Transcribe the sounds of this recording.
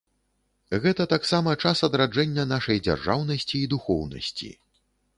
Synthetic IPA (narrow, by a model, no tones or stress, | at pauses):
ɣɛt̪ɐt̪aksamɐt͡ʂasɐd̪ɾad͡ʐɛnʲːɐnaʂɐjd͡zʲa̰rʐawnɐsʲt͡sʲiːd̪uxɔwnɐ̰sʲt͡sʲḭ